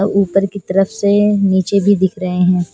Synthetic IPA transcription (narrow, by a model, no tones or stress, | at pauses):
uːpəɾkit̪ɐɾəfseniːt͡ʃebʱid̪ɪkʰɾɐɦeɦɛ̃ː